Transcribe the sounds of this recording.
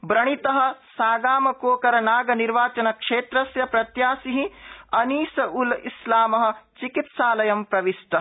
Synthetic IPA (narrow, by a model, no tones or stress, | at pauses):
bɾɐɳ̃it̪ɐɦɐ̆saːɡaːmɐkoːkɐɾɐnaːɡɐniɾʋaːt͡ʃɐnɐkʂeːt̪ɾɐsjɐpɾɐt̪jaːsiɦĩɐniːsɐulḭslaːmɐɦɐ̆t͡ʃikit̪saːlɐjɐmpɾɐʋisʈɐ